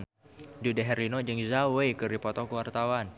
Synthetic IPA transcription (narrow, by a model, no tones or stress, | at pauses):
n | dudɛɦɛɾinɔd͡ʒəŋzawekɨrdipɔt̪ɔkəwart̪awan